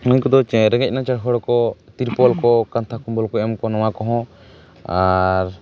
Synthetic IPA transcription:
nuɲkɔd̪ɔɾɛɡɛc̚ˀnat͡ʃaɽɦɔɽɔkɔt̪iɾpɔlkɔkant̪ʰakumbɔlkɔɛmkɔnɔ̃wakɔɦɔ̃ | aɾ

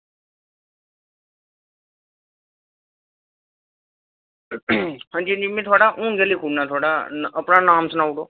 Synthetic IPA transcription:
hənd͡ʒiːənd͡ʒimĩt̪ʰoːɽaʔũːɡeliːkʰuɽnaːt̪ʰoːɽanəpɽaːnaːmsnaːuʈoː

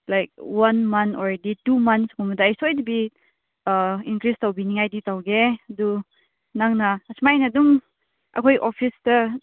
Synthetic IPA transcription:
lajk̚wanmɐntʰɔ̰ɾeditumɐnskɔmɐdaːjsojdɐbi | iŋkɾistawbiniŋajditawɡeɐdu | naŋnɐɐsmajnɐduŋ | ɐ̰kʰojʔopʰistɐ

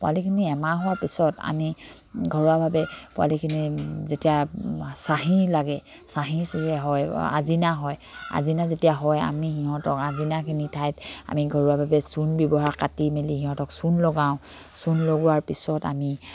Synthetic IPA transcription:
pʊa̰likʰiniɛmaɦʊwaɹpisɔta̰miɡʱɔɹuwabʱabɛpʊa̰likʰinizetijasaɦilaɡɛ | saɦisɛɦɔja̰zinaɦɔj | a̰zinazetijaɦɔja̰mihiɦɔ̃tɔkazinakʰinitʰajta̰miɡʱɔɹuwabʱabɛsunbjɔbɔɦaɹkatimelihĩɦɔ̃tɔksunloɡaʊ̃ | sunloɡɔwaɹpisɔta̰mi

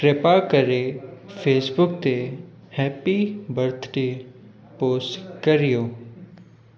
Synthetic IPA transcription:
kɾepakəɾefʰeːsbʊk̚t̪e | hɛːpibɐɾt̪ʰɖe | poːsʈkəɾijoː

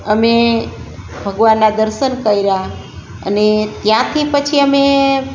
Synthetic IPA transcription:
əme | bʱəɡʋanːad̪əɾʃənkəiɾa | ə̰net̪jãt̪ʰipət͡ʃʰiəme

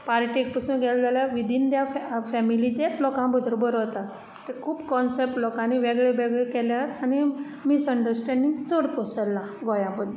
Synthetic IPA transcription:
paɾʈek̚pəsuːnɡɛld͡zaljaʋid̪ind̪jaffɛmilit͡ɕelɔkãbəd̪ʱɾbəɾot̪at̪ | t̪ːekʰuːbkɔnsep̚ʈlɔkãniʋeɡɭeʋeɡɭekɛljaɦət̪ani | misəɳɖəɾsʈɛ̃ɳɖiŋɡt͡səɽpɔsəlːa | ɡɔjãbəd̪ʱ

